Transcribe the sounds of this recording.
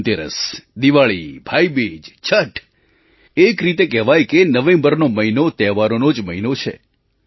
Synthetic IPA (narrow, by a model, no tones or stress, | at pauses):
t̪eɾə̰sd̪iʋaɭḭbʱaibid͡ʒt͡ʃʰəʈ | ekɾit̪ekɛɦʋajkenəʋẽmbəɾnoməɦinot̪ɛɦʋaɾonod͡ʒməɦinot͡ʃʰḛ